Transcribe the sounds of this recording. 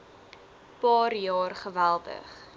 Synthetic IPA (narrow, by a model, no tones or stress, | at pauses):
pɑːrjɑːrχəvælˠdə̰χ